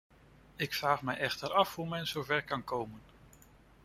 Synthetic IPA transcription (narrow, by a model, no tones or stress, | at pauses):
ɪkfraːχmɛjɛχtəɾɑfɦumɛnzowvɛɹkɑnkowmən